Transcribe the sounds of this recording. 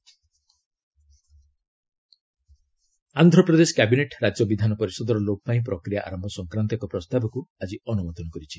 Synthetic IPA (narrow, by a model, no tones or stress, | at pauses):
and̪ʱɾɔpɾɔd̪esɔ̥kabineʈɾad͡ʒjɔbid̪ʱanɔpɔɾisɔd̪ɔɾɔlokɔpaĩp̬ɾɔkɾijaʔa̰ɾɔmbʱɔsɔŋkɾant̪ɔkɔpɾɔst̪abɔkuad͡ʒiɔnumɔt̪ɔnɔkɔɾit͡ʃʰi